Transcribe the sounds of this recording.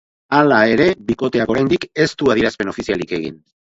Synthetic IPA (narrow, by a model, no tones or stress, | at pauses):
alae̞ɾe̞βiko̞t̪e̞ako̞ɾajnd̪ike̞st̪uaðiɾaspe̞no̞fisialike̞ɣḭn